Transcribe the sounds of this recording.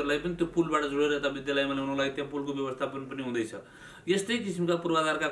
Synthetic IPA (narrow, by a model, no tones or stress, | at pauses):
ɾlajpʌnit̪jopulbaʈʌd͡zuɽeɾʌɦt̪abid̪jalajmaneɦunulaɡit̪jãpulkobjʌβʌst̪ʰapʌnpʌniɦũd̪ʌjt͡sʰʌ | jest̪ʌjk̬isimkapurbaɡarka